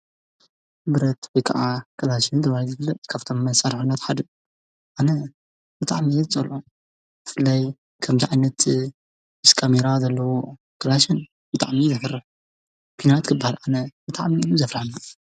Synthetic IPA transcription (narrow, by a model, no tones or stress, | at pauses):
bɨɾɐt̪wojkʰɐ̰ʕakʰɐlaʃɨnd̪ɐβajizɨɡlːɐt̪ʼkʰaβt̪ʰo̞mːɐsaɾħunːɐt̪ħad̪ɐ | ʔanɐ | bɨt̪ʼaʕmit͡sʼɐlʔu | bɨfɨlːaj | kʰɐmziʕajnɐt̪ | mɨskʰameɾazɐlːɐwo | kʰɐlaʃɐn | b̥ɨt̪ʼa̰ʕmizɐfɐrːɨħ | pʰinawat̪kʰɨbːahalʔanɐb̥ɨt̪ʼaʕmiːlːuzɐflaħna